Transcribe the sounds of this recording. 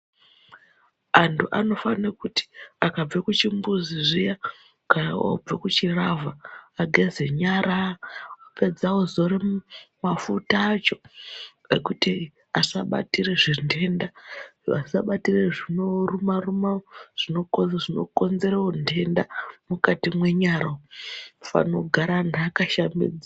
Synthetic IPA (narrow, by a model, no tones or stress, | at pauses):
antʰuʔa̰no̞fanakuti̥akab͡vekut͡ʃimbuziʐija | kanao̰b͡vekut͡ʃiravaːɡʱezeɲaɾaape̞d͡zawozo̞ɾemafutaːt͡ʃo̞ | ekuti | asaɓa̰tireʐinde̞ndaa̰saɓatireʐinorumarumaoʐ̥ino̞koʐino̰ko̞nze̞ɾewonde̞ndamukatimwe̞ɲaɾaopa̰no̞ɡʱaɾandaakaʃamḭd͡za